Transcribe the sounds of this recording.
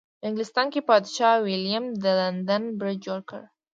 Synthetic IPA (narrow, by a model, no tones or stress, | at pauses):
ɪŋɡlɪst̪ɑnkepɑd̪ʃɑwɪljamd̪əland̪anbɾɪd̪̚d͡ʒoɾkə̰ɾ